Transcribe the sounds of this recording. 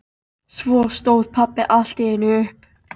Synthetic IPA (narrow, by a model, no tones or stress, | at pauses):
svɔːst̪oːwð̥pʰapːɪʔal̥t̪ɪɪnʏhp